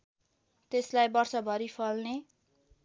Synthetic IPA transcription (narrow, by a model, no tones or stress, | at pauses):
t̪eslajbʌrsʌbʱʌɾipʰʌlne